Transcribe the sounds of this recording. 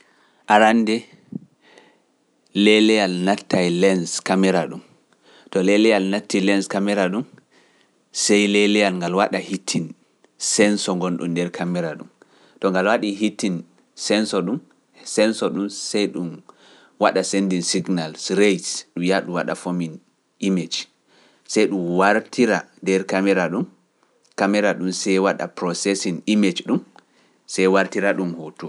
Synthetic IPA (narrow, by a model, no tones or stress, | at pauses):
ʔaɾandɛ | lɛlɛjalnatːajlɛnskamɛɾaɗum | tɔlɛlɛjalnatːilɛnskamɛɾaɗum | sɛjlɛlɛjalŋɡalwaɗahitʰːin | sɛnsɔŋɡɔnɗṵmdɛɾkʰamɛɾaɗum | tɔŋɡalwaɗiɦitːin | sɛnsɔɗum | sɛnsɔɗumsɛjɗum | waɗasendinsiɡnalsɾejsɗumjaɗuwaɗa̰fomin | ʔimed͡ʒ | sɛjɗumwaɾtʰiɾandɛɾkamɛɾaɗum | kamɛɾaɗumsɛjwaɗa̰pɾɔsɛsinimed͡ʒɗum | sɛjwaɾtiɾaɗumhotu